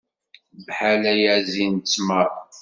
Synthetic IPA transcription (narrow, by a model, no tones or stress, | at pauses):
vħalæjæzint͡sːməɾˤ